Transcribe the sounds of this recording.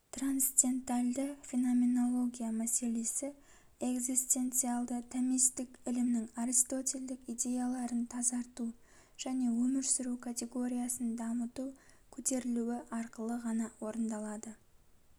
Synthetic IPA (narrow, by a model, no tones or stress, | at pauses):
t̪ransd̪ʲe̞nt̪alʲd̪ɪfʲinome̞no̞lˠo̞ɡʲijamæse̞le̞sɪ | e̞ɡzist̪e̞nt̪sɨalˠd̪ət̪ʰamist̪ɪkɪlɪmnɪŋaɾist̪o̞t̪ʲe̞ld̪ɪkid̪ʲe̞jalˠɑɾənt̪ʰɑzɑɾt̪u | ʒ̥æne̞wɵmɪɾsɪɾukʰat̪ʲe̞ɡo̞ɾʲijasənd̪ɑmət̪ukʲʰɵt̪e̞ɾɪluwɪʔɑɾqəlˠəʁɑnɑwo̞ɾənd̪ɑlˠɑd̪ə